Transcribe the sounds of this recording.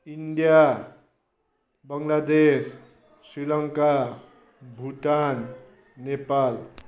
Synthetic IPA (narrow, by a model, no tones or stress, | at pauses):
inɖija | bʌŋlad̪es | srilʌŋka | bʱuʈanː | epal